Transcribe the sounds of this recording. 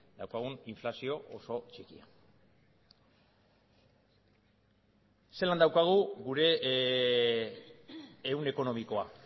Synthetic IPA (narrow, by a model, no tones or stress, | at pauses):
d̪̥awkaɣ̞uniɱflasio̞ʔoso̞t͡ʃikia̰ | se̞land̪awkaɣ̞uɣuɾe̞ | une̞ko̞no̞miko̞a